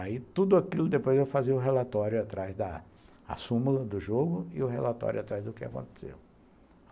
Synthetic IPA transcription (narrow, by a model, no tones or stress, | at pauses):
ait̪ud̪ʊakilʊd̪epojzewfaziʊɦelat̪ɔɾjʊat̪ɾazd̪ɐ | a̰sũmɐd̪ʊʒoɡʊɪ̰ʊɦelat̪ɔ̰ɾʲjʊat̪ɾajzd̪ʊkɪa̰kõnt̪e̥sḛw